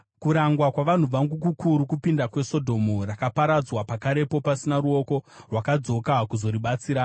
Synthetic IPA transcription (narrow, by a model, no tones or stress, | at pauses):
kuɾaŋɡwakwaʋan̤uʋaŋɡuk̬ukʰuɾukupindakwe̞so̞dʱo̞murakapaɾad͡zwapakaɾe̞po̞pasinaɾuo̞ko̞rwakad͡zo̞kakuzo̞ɾiɓat͡siːɾa